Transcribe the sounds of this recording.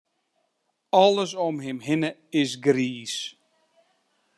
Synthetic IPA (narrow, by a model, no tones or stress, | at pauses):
ɔlˠəs̬ɔmɦɪmɦɪnəɪsɡriːs